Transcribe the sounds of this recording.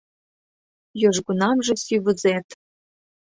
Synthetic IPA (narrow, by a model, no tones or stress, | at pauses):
joʒɣunɑmʒĕsʲyβə̆zet̪